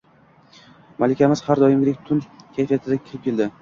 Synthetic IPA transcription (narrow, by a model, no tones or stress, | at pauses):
malɪkʲamɪz̥haɾd̪ɒjɪmɡʲɪɾekʲt̪ʰʊnkʲʰajfijat̪ʰɪd̪akʲʰɪɾɪp̚kʲʰe̞ld̪ɪ